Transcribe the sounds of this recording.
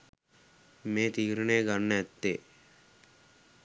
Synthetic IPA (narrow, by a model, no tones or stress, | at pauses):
mẽːt̪iːɾəneːɡɐnːɛt̪ːeː